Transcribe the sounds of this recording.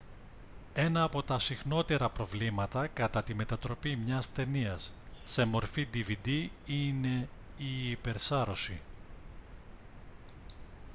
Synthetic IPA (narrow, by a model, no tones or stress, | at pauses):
e̞nɐːpo̞t̪ɐsixno̞t̪e̞ɾɐpɾo̞vlimɐt̪ɐkɐt̪ɐt̪ime̞t̪ɐt̪ɾo̞pimɲɐst̪e̞niɐsːe̞mo̞ɾfid̪ivid̪iine̞ | iːpe̞ɾsɐɾo̞si